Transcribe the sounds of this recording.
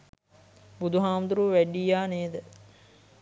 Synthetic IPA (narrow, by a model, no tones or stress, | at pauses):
bud̪uɦaːmd̪uɾuːʋæɖijaːneːd̪ə